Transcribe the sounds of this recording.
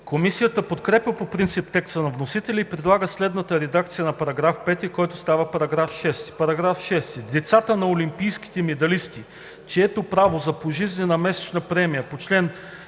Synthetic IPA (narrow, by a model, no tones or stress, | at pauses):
komisijət̪əpot̪kɾɛpəpopɾint̪sip̚t̪ɛkst̪ənɐvnosit̪ɛlʲiːpɾɛd̪lˠaɡəslɛd̪nət̪əɾɛd̪ak̚t̪sijənɐpɐɾɐɡɾafpɛt̪ikɔjt̪ʊ̥st̪avəpɐɾɐɡɾafʃɛst̪i̥pɐɾɐɡɾafʃɛst̪id̪ɛt̪sat̪ənɐolimpijsk̟i̥t̪ɛmɛd̪ɐlist̪i | t͡ʃɛɛt̪opɾavozɐpoʒizninɐmɛsɛ̥t͡ʃnɐpɾɛmijɐpot͡ʃlɛn